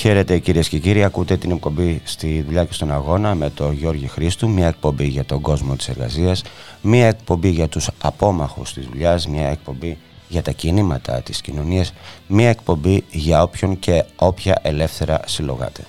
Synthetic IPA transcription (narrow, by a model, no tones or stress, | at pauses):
çe̞ɾe̞t̪e̞ciɾiesce̞ciɾiɐkut̪e̞t̪ine̞k̚po̞mbist̪iðuʎɐce̞st̪o̞nɐɣo̞nɐme̞t̪o̞ʝo̞ɾʝixɾist̪umɲɐe̞k̚po̞mbiʝɐt̪o̞ɡo̞zmo̞t̪i̥se̞ɾɣɐ̰siɐsmiɐe̞k̚po̞mbiʝɐt̪usɐpo̞mɐxṵst̪izðuʎɐzmɲɐe̞k̚po̞mbi | ʝɐt̪ɐcinimɐt̪ʰɐ̰t̪i̥scino̞niɐsmɲɐe̞k̚po̞mbiʝɐo̞pço̞ŋce̞o̞pçɐʔe̞le̞fθe̞ɾɐ̰silo̞̰ɣɐ̰t̪ʰe̞̰